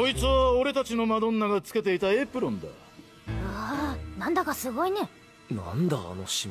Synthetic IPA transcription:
ko̞it͡sɨβao̞ɾe̞t̪at͡ɕino̞mad̪õ̞nːaɡat͡sɨ̥ke̞t̪e̞it̪aeːpɯ̟ɾõ̞nd̪a̰ | anãnd̪akasɨɡo̞ine | nãnd̪a̰ːnoɕi

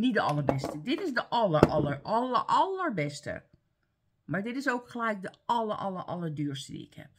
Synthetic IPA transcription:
nitdəɑlˠəɹbɛstədɪtɪsdəʔɑlərʔɑlərɑlə̰ʔɑlərbɛstə̰ | maɹdɪtɪsowkχəlɛjk̚dəɑləɹʔɑ̰lə̰rʔɑ̰lˠəɹdyːɹstədḭɪ̰khɛ̰p̚

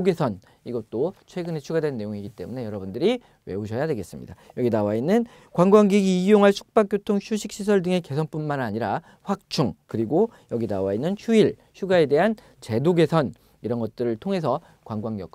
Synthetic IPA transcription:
ɡe̞sʰʌn | iɡʌt̚t͈ot͡ɕʰwe̞ɡɯne̞t͡ɕʰuɡadwe̞nːe̞joŋiɡit͈e̞mune̞jʌɾʌbundɯɾi | we̞̰oɕʰʌjade̞ɡe̞s͈ɯmɲḭd̥ajʌɡinawainːɯn | kwaŋɡwaŋɡiɡiːjoŋɦaɭsʰu̥k̚p͈ak͈jotʰoŋɕʰuɕʰik̚ɕ͈ʰisʰʌɭdɯŋe̞ke̞sʰʌnp͈unmanaɲiɾa | ɸwak̚t͡ɕʰuŋkɯɾiɡojʌɡina̰wainːɯnɕʰuiɭ | ɕʰuɡae̞de̞ɦan | t͡ɕe̞doɡe̞sʰʌn | iɾʌnɡʌt̚t͈ɯɾɯɭtʰoŋɦe̞sʰʌ | kwaŋɡwaŋɡjʌk̚

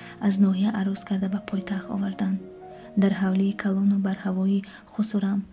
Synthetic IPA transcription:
aznɔɦijaʔaɾuskʰaɾd̪abapʰɔjt̪ʰaχt̪ɔ̰vaɾd̪and̪ | d̪aɾɦavliːkʰalɔnubaɾhavɔi | χusuɾam

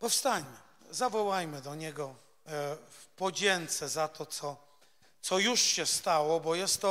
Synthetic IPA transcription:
pɔfst̪aɲmɘ | zavɔwajmɘd̪ɔɲɛɡɔ | fpɔd͡ʑɛnt̪sɛzat̪ʰɔt̪sɔ | t̪sɔjuʂɕɛst̪awɔbɔjɛst̪ːɔ

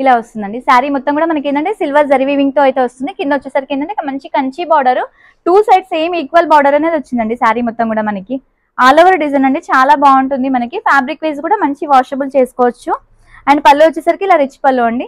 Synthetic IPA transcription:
ilaːʋɐst̪und̪ɐɳɖisaːɾimɔt̪ːɐmkuːɽaːmɐnɐk̬end̪ɐɳʈeːsilʋɐɾd͡ʒɐɾʋiːʋiŋɡ̚t̪o̞ːɐjt̪eːʋɐst̪und̪ikind̪ot͡ʃːɛsɐɾikind̪ɐɳʈeikːɐmɐɲt͡ʃikɐɲt͡ʃibaːɾɖɐɾu | ʈuːsɐjɖse̞ːmiːkʋɐlbaːɾɖɐɾɐne̞ːd̪iʋot͡ʃːind̪ɐɳɖisaːɾimɔt̪ːɐmkuːɽaːmɐnɐki | aːlɔːʋɐɾɖizɐnɐɳɖit͡ʃaːlaːbaːuɳʈund̪imɐnɐkipʰaːbɾikʋeːs̬kuːɽaːmɐɲt͡ʃiʋaːʂʈɐbult͡ʃeːsu̥kɔːʋɐt͡ʃːu | ɐjɐnipɐlːuʋɐt͡ʃːɛsɐɾikiːlaːɾit͡ʃːi̥pɐlːuɐɳɖi

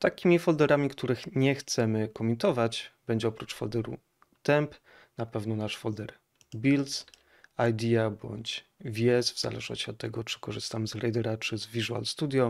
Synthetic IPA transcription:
t̪akʲimʲifɔld̪ɛɾamʲikt̪uɾɘxɲɛxt̪sɛmɘkɔmʲint̪ɔvat͡ɕbɛɲd͡ʑɛɔpɾut͡ʂfɔ̰ld̪ɛɾṵ | t̪ɛmp | napɛvnɔnaʂfɔld̪ɛɾ | bʲils | ajd̪ʲiabɔ̰ɲt͡ɕ | vʲijɛsvz̥a̰lɛ̰ʐnɔ̰ɕt͡ɕiɔt̪ːɛɡɔt͡ʂɘ̥kɔʐɘst̪amzɾɛjd̪ɛɾat͡ʂɘzvʲiʐua̰lst̪ud̪ʲjɔ

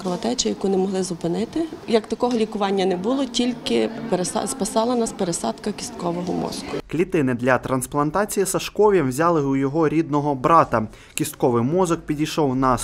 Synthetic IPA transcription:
kɾɔʋɐt̪ɛt͡ʃɪjɐkunɛmɔɦlˠɪzʊpɪnɪt̪ɪjɐkt̪ɐkɔɦɔlʲikʊʋɑnʲːɐnɛbʊlˠɔtʲilʲkɪpeɾsspɐsɑlˠɐnɑspeɾesɑd̪kɐkʲi̥st̪kɔʋɔɦɔmɔ̰zkʊklʲit̪ɪnɪd̪lʲɐt̪ɾɐnsplˠɐnt̪ɑt͡sʲijisɐʃkɔʋʲjɛmwzʲɑlˠɪujɔɦɔɾʲid̪̚nɔɦɔbɾɑt̪ɐ | kʲist̪̚kɔʋɪjmɔzɔk̚pʲidʲijʃɔwnɐ

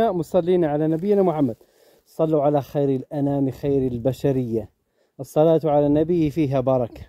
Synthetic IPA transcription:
aʔmʊsˤɑlːiːnaʕalanabɪjːnamʊħamːad̪̥̚ | sˤɑlːuʕalaxaːɾɪlʔanaːmxaːɾɪlbaʃaɾɪjːa | ʔɑsˤːɑlaːt̪ʕalanabɪjːfiːɦabɑɾˤɑkḁ

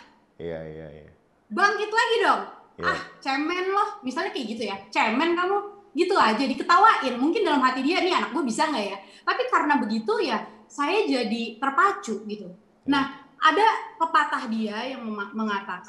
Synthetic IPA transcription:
a̰ | baŋkit̪ulaɡidɔŋʔaht͡ʃɛmɛnlɔhmisalɲakajɡit̪ujat͡ʃɛmɛnkamuɡit̪uad͡ʒadikət̪awaʔɪnmuŋkɪndalamɦat̪idianianak̚ɡuabisaŋɡajat̪apikaɾənabəɡit̪ujasajad͡ʒadit̪ərpat͡ʃʊʔɡit̪u | nahʔadapəpat̪ahdiajaŋməaməŋat̪aka

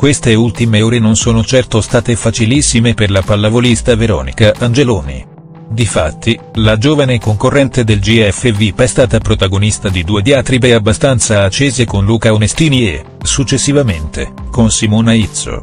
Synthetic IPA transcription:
kwest̪eult̪imeoːɾenonsoːnot͡ʃɛrt̪ost̪aːt̪efat͡ʃilisːimeperlapalːavolist̪aveɾɔ̰ːnḭkaʔand͡ʒeloːnḭ | d̪ifat̪ːilad͡ʒoːvanekoŋkorːɛnt̪ed̪eld͡ʒiɛfːevipɛst̪aːt̪apɾot̪aɡonist̪ad̪id̪uːed̪jaːt̪ɾibeabːast̪ant̪saːt͡ʃːeːzekonluːkaonest̪iːnie | sut͡ʃːesːivament̪ḛkonsimoːnait̪so̰

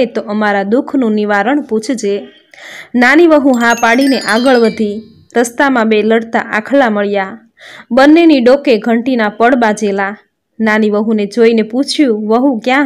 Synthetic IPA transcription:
et̪oʔəmaɾad̪ukʰnũniʋaɾəɳput͡ʃʰd͡ʒe | naniʋəɦũɦãpaɽineʔaɡəɭʋəd̪ʱi | ɾəst̪amãbeləɽt̪a̰ʔakʰlaməɭja | bənːeniɖokeɡʱəɳʈinapəɽbad͡ʒela | naniʋəɦũned͡ʒoineput͡ʃʰjũʋəɦũkjã

